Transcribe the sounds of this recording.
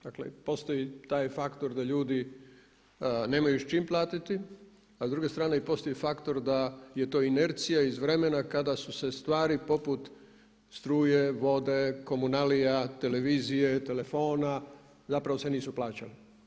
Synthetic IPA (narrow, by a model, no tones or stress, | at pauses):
d̪aklḛpo̞st̪o̞jit̪aːjfakt̪o̞ɾd̪aʎuːd̪i | ne̞ːmajuʃt͡ʃimplˠaːt̪it̪i | azd̪ɾuɡe̞st̪ɾaːne̞ipo̞st̪o̞jifakt̪o̞ɾd̪aje̞t̪o̞ːineɾt̪sijaizʋɾe̞me̞nakad̪asuse̞st̪ʋaːɾipo̞put̪ | st̪ɾuːje̞ʋo̞d̪e̞ko̞munalijat̪e̞le̞ʋiːzije̞t̪e̞le̞fo̞ːna | zapɾaʋose̞niːsuplaːt͡ɕali